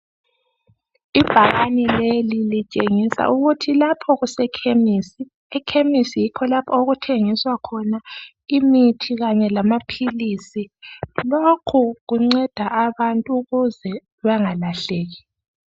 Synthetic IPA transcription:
ib̥ʱaɣanilelilit͡ʃʼeŋisa̰ʔuɣutʰilapʰɔɣusɛkʰemisi | ɛkʰemisijikʰɔlapʰɔoɣutʰeŋiswakʰɔna | imitʰiɣaɲɛlamapʰilisilokʰuɣuŋ͡ǀɛd̥ʱaʔaβantʼuɣuzɛ | βaŋalaɬeːɣi

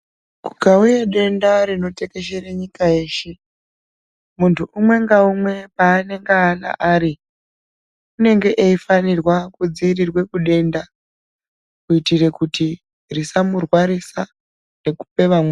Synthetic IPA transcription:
kuɡʱaujeɗe̞ndaɾino̞te̞ke̞ʃereɲikaeːʃe | muntʰuʔumwe̞ŋɡaumwe̞paːne̞ŋɡeːna̰ʔaːɾi | une̞ŋɡe̞ʔeifanirwakud͡ziːrirwe̞kuɗe̞nda | kuitire̞kuti | risamurwaɾisa | re̞ku̥pe̞ʋamwe

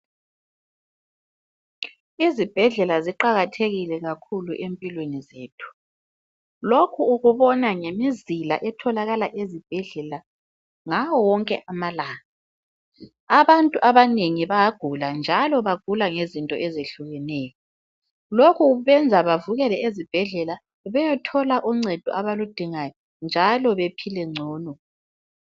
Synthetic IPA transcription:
izib̥ʱɛɮɛlaziǃaɣatʰeɣilɛɣakʰuluʔempʼilwenizeːtʰu̥ | lokʰuːɣuβɔnaŋemizila̰ʔɛtʰɔlaɣalaʔezib̥ʱɛɮɛla | ŋawɔwɔŋkʼɛ̰ʔamalaːna | aβantʼuʔaβaneŋiβajaɡ̥ʱuland͡ʒʱalɔβaɡ̥ʱulaŋezintʼɔ̰ʔɛzeɬuɣɛnɛːjɔ | lokʰuβɛnd͡zʱaβavuɣɛlɛezib̥ʱɛɮɛla | βɛjɔtʰɔlaʔuŋ͡ǀɛd̥ʱuʔaβalud̥ʱiŋajɔ | nd͡ʒʱalɔβepʰilɛŋ͡ǀʱɔːnɔ

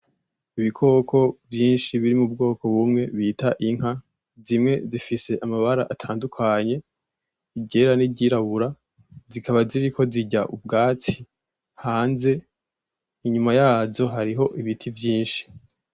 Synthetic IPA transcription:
iβikʰo̞ːkʰo̞vjiːnʃiβiɾimub̚ɡo̞ːko̞βumŋe̞βitaʔiŋ̥ha | zimŋe̞zifise̞ʔamaβaɾaʔatʰaːndukʰaɲe̞ | iɟe̞ɾaniɟiɾaβuɾa | zikaβaziɾiko̞ziɟaʔub̚ɡaːt͡si̥ | haːnze̞ | iɲumajaːzo̞ɦaɾiɦo̞ʔiβitʰivjiːnʃi̥

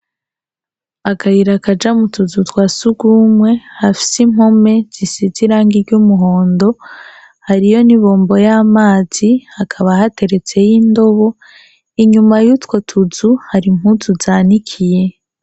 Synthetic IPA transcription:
akʰahiɾakad͡ʒamutuzutwaːsuɡumwe̞hafi̥sim̥ho̞me̞z̥isiziɾaːŋɡiɾɟumuɦo̞ːndo̞ | haɾijo̞niβo̞ːmbo̞jaːmaːz̥ihakʰaβahate̞ɾe̞t͡se̞jindo̞βo̞ | iɲumajutwo̞tʰuzuhaɾim̥huzuzaːnikʰije̞

